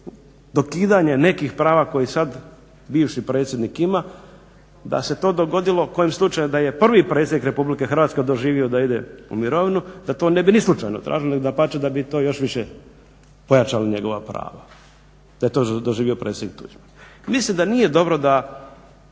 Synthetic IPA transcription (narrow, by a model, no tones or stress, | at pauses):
d̪o̞kiːd̪aɲe̞ne̞kixpɾaːʋako̞jisad̪ | biːʋʃipɾe̞ːt̪sʲjed̪nikima | d̪a̰se̞t̪o̞ːd̪o̞ɡo̞d̪ilo̞ko̞jimslˠut͡ʃajumd̪aje̞pr̩ʋipɾet̪sjed̪ikɾe̞publike̞xr̩ʋat̪sked̪oʒiːʋiod̪aid̪eṵmiɾo̞ʋinud̪at̪o̞ne̞binislˠut͡ʃa̰jnot̪ɾʔa̰ːʒiloneod̪apat͡ʃed̪abit̪oːjo̞ʃʋiʃe | po̞jat͡ʃalaɲe̞ɡo̞ʋapɾa̰ːʋa | d̪̥aje̞t̪od̪oʒiːʋiopɾet̪sʲed̪nik̚t̪ṵd͡ʒmamislimd̪anije̞d̪o̞bɾo̞d̪a